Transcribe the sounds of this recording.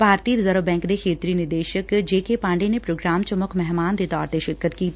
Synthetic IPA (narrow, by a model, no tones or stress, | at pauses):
bʱaːɾt̪iːɾzəɾəʋbɛ̃ːŋkd̪ekʰeːt̪ɾinɪɾd̪eːʃəkd͡ʒeːkepãːɳɖenepɾoːɡɾaːmt͡ʃəmʊkʰmɛɦmaːnd̪et̪ɔːɾt̪eʃɪɾkːət̪kiː